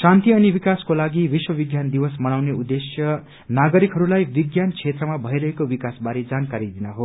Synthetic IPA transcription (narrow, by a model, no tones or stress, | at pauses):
sãnt̪iʌnibikaskolaɡibiswʌbiɡjand̪iwʌsmʌnawneud̪esjʌ | naɡʌɾikɦʌɾulajbiɡjant͡sʰet̪rʌmabʱʌjɾʌɦekobikasbaɾed͡zankaɾid̪inaɦo